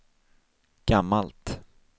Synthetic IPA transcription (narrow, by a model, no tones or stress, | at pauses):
ɡ̥amːalt̪